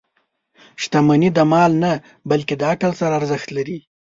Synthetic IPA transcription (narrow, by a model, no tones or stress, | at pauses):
ʃt̪amanid̪əmɑlna | balked̪əakalsaɾaːɾzəxt̪laɾi